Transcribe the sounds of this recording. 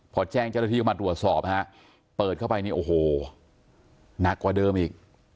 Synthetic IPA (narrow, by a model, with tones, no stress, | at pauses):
pʰɔː˨˧˦t͡ɕɛː˥˩ŋt͡ɕa˥˩na˥˩iː˥˧˥ma˧t̪ɾu˨˩ət̪̚sɔː˨˩p̚ha˦˥ʔ | pɤː˨˩t̪̚kʰa˥˩˨pa˧jniː˦˥˩ʔoː˨˩ɦoː˨˩ | na˨˩kːwaː˧˩dɤː˧mʔiː˨˩k̚